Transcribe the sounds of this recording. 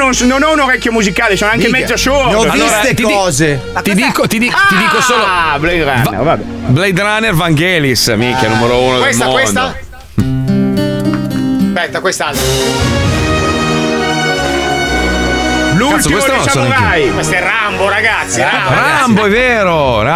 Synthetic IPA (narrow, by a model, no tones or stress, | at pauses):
nonsnonɛunoɾɛkjomuzikaːlesɔnaŋkemɛd̪ːosoːeɔvisek̪iɔːze | t̪id̪iːkot̪id̪it̪id̪iːkosoːlobleɾanvḛɾvabɛ | blejd̪ɾanervaŋɡelisamikːjanumeɾouːnodkeslmokwensa | spɛt̪ːakwest̪alt̪ɾ | nuokkwest̪einõnt͡ʃasonaajkwest̪ɛramboɾaɡat̪sːiaaraamboɛveːɾo | ɾa